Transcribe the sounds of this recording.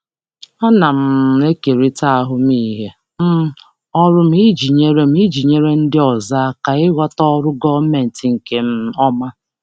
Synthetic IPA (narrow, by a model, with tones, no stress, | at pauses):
ɔ˦na˨m̩˦e˦ke˨ɾi˦ta˦a˦ɦʊ˦m˦iː˦ɦe˦ | m̩˦ | ɔ˦ɾʊ˦m̩˦i˦d͡ʒi˨ɲe˦ɾe˦m̩˦i˦d͡ʒi˨ɲe˦ɾe˦n̩˦dɪ˦ɔ˨za˦ka˨ɪ˦wʷa˦tɔ˦ɔ˦ɾʊ˦ɡɔ˦me˨n̩˨tɪ˨ŋ̩˨ke˨m̩˦ɔ˦ma˦